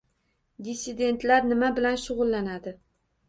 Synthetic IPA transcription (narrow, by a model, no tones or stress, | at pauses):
d̪ɪsid̪e̞nt̪ʰlaɾnɪmabɪlanʃʊʁʊlːanad̪ɪ